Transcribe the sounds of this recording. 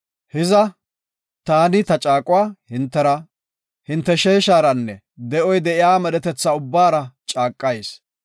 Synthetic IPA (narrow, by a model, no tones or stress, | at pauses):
hɪzɐ | t̪aːnɪt̪ɐt͡ʃʼaːkʼʊwaːhɪnt̪ːɛɾɐ | hɪnt̪ːɛʃeːʃaːɾɐnːɛ | d̪ɛʔɔjd̪ɛʔɪjaːmɛɗɛt̪ɛt͡sːaʊbːaːɾɐt͡ʃʼaːkʼːɐjs